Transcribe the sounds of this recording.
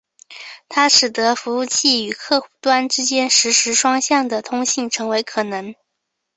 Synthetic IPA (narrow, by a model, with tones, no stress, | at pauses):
t̪ʰa˥ʂɻ̩˨˩t̪ɤ˧˥fu˧˥u˥˧t͡ɕʰi˥˩y˨˩kʰɤ˥˩˧xu˥˩t̪wa˥nʈ͡ʂɻ̩˥t͡ɕjɛ˥nʂɻ̩˧˥ʂɻ̩˧˥ʂwɑ˥ŋɕjɑ˥˩ŋd̪ə˩t̪ʰʊ˥ŋɕi˥˩ŋʈ͡ʂʰɤ˧˥ŋwe˧˥ɪkʰɤ˨˩nɤ˧˥ŋ